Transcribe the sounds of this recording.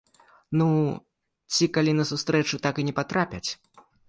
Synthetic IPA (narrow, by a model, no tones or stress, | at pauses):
nu | t͡sʲikalʲinɐsust̪ɾɛt͡ʂɨt̪akɨnʲɛpat̪ɾapʲɐt͡sʲ